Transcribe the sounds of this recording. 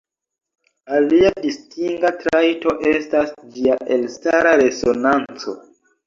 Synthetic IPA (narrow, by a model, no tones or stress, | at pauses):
aliadistiŋɡatɾajto̞ʔe̞stasd͡ʒiaʔe̞lstaɾaɾe̞zo̞nant͡so̞̰